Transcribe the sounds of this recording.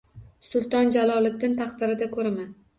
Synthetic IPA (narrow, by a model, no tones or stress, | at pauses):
sʊlˠt̪ɒnd͡ʒalˠɒlˠɪk̚ʲd̪ɪnt̪ʰɑχt̪ɪɾɪd̪akʰɵɾaman